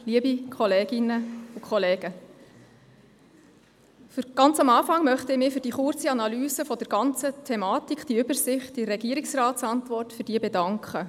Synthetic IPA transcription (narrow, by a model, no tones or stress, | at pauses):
liəbikʰɔleːɡ̥ɪnəukχɔleːɡ̥ə | fʏɾɡ̥ɑnt͡sɑmɑːfɑŋmœχtəɪmɪːfʏɾd̥iːχʊrt͡siɑnɑlyːsəfɔd̥ɛɾɡɑnt͡sətʰɛmɑːtikʰd̥iʏbəɾsɪχt̚dirɛɡ̥iəɾiksrɑːtsɑntʋɔrtfʏɾd̥iːəbɛdɑŋkχə